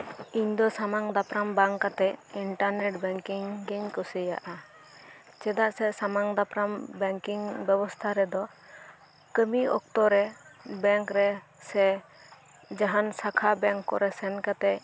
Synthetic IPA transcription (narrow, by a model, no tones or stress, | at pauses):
iɲd̪ɔsamaŋd̪apɾambaŋkat̪ɛiɳʈaɾnɛʈbɛŋkiŋɡɛɲkɔsəja̰ʔa | t͡ʃɛd̪aɾsɛsamaŋd̪apɾambɛŋkiŋbɛbɔst̪ʰaɾɛd̪ɔ | kəmiɔ̰k̚t̪ɔɾɛbɛŋkɾɛ | sɛ | d͡ʒaɦansakʰabɛ̃ŋkːɔɾɛsɛnkat̪ɛ